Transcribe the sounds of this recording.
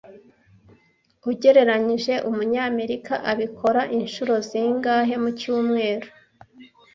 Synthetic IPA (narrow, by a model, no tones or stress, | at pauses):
uɟe̞ɾe̞ɾaɲiʒe̞ʔumuɲaːme̞ɾikaʔaβikʰo̞ɾaʔinʃuɾo̞ziŋɡaːɦe̞mucuːmŋe̞ːɾo